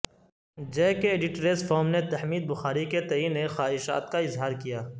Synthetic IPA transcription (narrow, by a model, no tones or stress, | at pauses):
d͡ʒeːkeːɖɪʈɾesfʰoːɾmnet̪ɐhmiːd̪̚bʊxaːɾiket̪ɐinexaːɦɪʃa̰ːt̪kaɪzɦaːɾkijaː